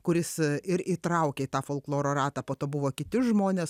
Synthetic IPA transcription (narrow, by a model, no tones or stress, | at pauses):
kʊɾʲɪsɪɾiːt̪ɾɐʊkʲeit̪ɑːfoːlˠklˠoːɾoːɾɑːt̪ɑːpoːt̪oːbʊʋoːkʲɪt̪ʲɪʒmoːnʲeːs